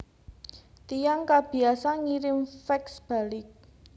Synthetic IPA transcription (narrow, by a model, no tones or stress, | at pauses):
t̪ijaŋkab̥i̤asaŋiɾɪmfɛksb̥a̤lɪk̚